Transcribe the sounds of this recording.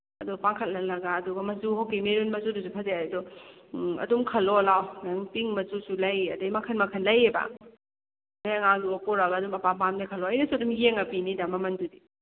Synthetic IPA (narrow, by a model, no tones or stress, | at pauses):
ɐdɔpaŋkʰɐt̚lɐlɐɡaːduɡɐmɐzuhokimeɾunmɐzudusupʰɐzeɐdɔ | ɐ̰dumkʰɐlɔlawnaŋpiŋmɐzusulɐjɐdajmɐkʰɐnmɐkʰɐnlɐjeba̰ | majɐŋaŋduakɔɾaɡaːdumɐpapamnɐkʰɐlɔɐjnɐsuɐdumjeŋɐpinidamɐmɐndudi